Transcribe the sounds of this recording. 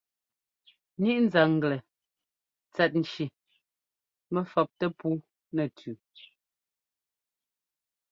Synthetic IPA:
ɲi˦ʔn̩˨za˨ŋ̩˨ɡlɛ˨ | t͡sɛ˨t̚n̩˨t͡ʃi˨ | mɛ˨fɔ˨p̚tɛ˦puː˦ | nɛ˨tʰʉ˨

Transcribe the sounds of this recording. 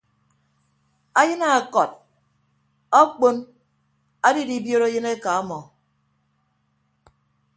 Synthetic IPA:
a˦jɨ˦na˦˨kɔ˨t̚ | ɔ˦k͡po˦n | a˦di˦di˦bjo˦ɾo˦jɨ˦ne˦ka˨a˦mɔ˨

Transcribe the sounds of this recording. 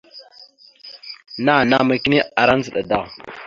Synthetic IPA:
na˦˨na˦ma˨ki˦ni˦a˨ɾa˦n˦zə˨ɗa˨da˦˨

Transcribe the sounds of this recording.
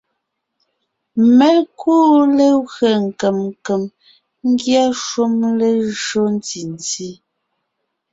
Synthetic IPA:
mɛ˦lkʰuː˦le˦ɣɰe˨ŋ̩˨kɛ˨mŋ˨ke˨m | ŋ˦ɡja˦ʃu˦mle˦ʒo˦n˦ti˨n˨ti˦

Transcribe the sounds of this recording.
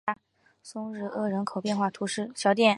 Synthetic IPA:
sʊ˥ŋɻɻ̩˥˩ɤ˥˩ɻə˧˥nkʰo˨˩ʊpjɛ˥˧nxwa˥˩t̪ʰu˧˥ʂɻ̩˥˩ɕjɑ˧˥ʊt̪jɛ˥˩

